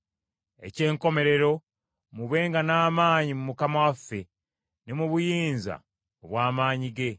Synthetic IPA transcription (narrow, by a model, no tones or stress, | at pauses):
e̞̰ce̞ːŋko̞me̞ɾe̞ɾo̞ | muβe̞ːŋɡanaːmaːɲimumukamawafːe̞ | nemuβujiːnza̰ | oβwaːmaːɲiɡe̞